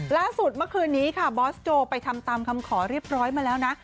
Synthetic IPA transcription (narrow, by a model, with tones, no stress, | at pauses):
laː˥˩su˨˩t̪̚mɯ˥˩kʰɯː˧nːiː˦˥kʰa˥˩bɔː˦˥st͡ɕoː˧pa˧jt̪ʰa˧mt̪aː˧mkʰa˧mkʰɔː˩˦ɾi˥˩əp̚ɾɔː˦˥jmaː˧lɛː˦˥wna˦˥